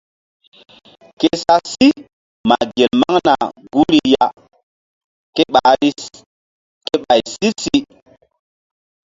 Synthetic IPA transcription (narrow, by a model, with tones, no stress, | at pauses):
ke˦sa˦si˦ | ma˨ɡe˨lma˦ŋna˨ɡu˦ɾi˦ja˦ | ke˦ɓa˨˦ɾi˦ | ke˦ɓa˨jsi˦si˦